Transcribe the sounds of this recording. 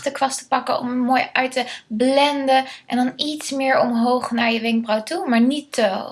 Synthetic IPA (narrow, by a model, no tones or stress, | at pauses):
təkʋɑstə̥pɑkəɔ̰məmoːjœɥtəblɛndəʔɛndɑnitsmɪːɹɔmɦowχnaːɹjəʋɪŋk̚brawtumaːɹnitə